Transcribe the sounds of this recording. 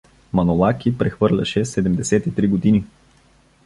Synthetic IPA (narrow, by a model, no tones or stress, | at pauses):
mɐnolˠakipɾɛxvɤɾlʲɐ̰ʃɛsɛd̪ɛmd̪ɛsɛt̪it̪ɾiɡod̪ini